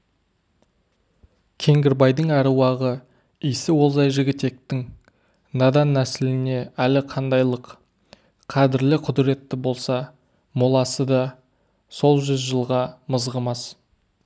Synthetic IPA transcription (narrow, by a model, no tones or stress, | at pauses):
kʲʰe̞ŋɡʲɪɾbɑjd̪əŋæɾwɑʁə | ijsɪwo̞lˠzɑjʒɪɡʲɪt̪e̞k̚t̪ɪŋ | nɑd̪ɑnːæsɪlɪne̞ælɪqʰɑnd̪ɑjlˠəq | qʰɑd̪ɪɾlɪqʰʊd̪ɪɾe̞t̪ːɪbo̞lˠsɑ | molˠɑsəd̪ɑ | so̞lˠʒʏzʒəlˠʁɑməzʁəmɑs